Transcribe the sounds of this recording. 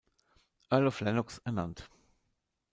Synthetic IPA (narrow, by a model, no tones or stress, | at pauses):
ʔɛɐlɔflɛnʊksɛɐna̰nt